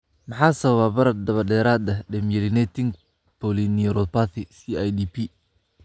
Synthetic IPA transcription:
mɑħaːsɐβɐβaːbɐɾɐd̪ɐβɐd̪ɛːɾaːd̪ɐɖɛmjɛlɪnɛt̪ʰɪŋ | pɔliniɾɔpat̪ʰɪsiajd̪iːpʰi

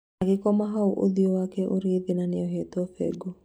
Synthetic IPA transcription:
aɡekɔmaɦauʔo̰ðiɔwakɛʔoɾeðenaneɔɦet̪ɔfɛ̰ɡo

